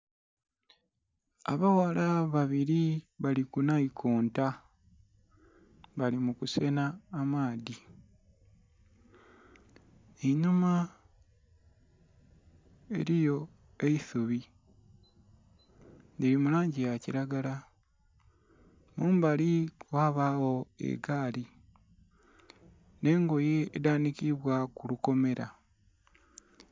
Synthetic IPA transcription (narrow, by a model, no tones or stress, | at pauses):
a̰βawalaβaβiɾiβalikunaikʰoːnta | βalimukuse̞naːmaːði | eɲuma | e̞ɾijo̞ | e̞isuβi | nelimulaːɲɟijaciɾaɡala | muːmbaliwaːβawo̞ḛɡaːli | ne̞ːŋɡo̞jeːdaːnikiβwakuluko̞me̞ɾa̰